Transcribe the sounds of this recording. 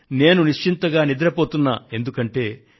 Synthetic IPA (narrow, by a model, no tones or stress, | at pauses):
ne̞ːnuniʂt͡ʃint̪ɐɡaːnid̪ɐɾɐpoːt̪unːa̰ːe̞nd̪ukɐɳʈe̞ː